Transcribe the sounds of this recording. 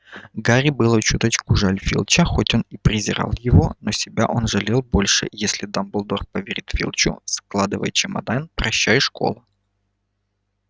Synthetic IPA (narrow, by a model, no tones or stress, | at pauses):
ɡaɾʲɪbɨlˠət͡ɕut̪ət͡ɕkʊʐalʲfʲḭlˠt͡ɕəxo̞tʲo̞nipɾʲɪzʲɪɾa̰lˠjɪvonosʲɪbʲa̰ʔo̞nʐɨlʲelˠbo̞lʲʂɨ̰jesʲlʲɪd̪ɐmbɨlˠd̪orpəvʲeɾʲit̪fʲḭlˠt͡ɕʊ̰sklˠad̪ɨvə̰jt͡ɕɪmɐ̰d̪anpɾɐɕːajəʂko̞̰lˠə